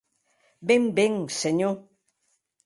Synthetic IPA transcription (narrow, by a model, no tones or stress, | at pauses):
bembeŋseɲo